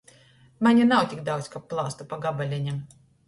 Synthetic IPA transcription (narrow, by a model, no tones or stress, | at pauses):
manʲinawt̪ʲikd̪awt̪sʲkap̚pːlˠaːst̪upaɡabalʲenʲɛm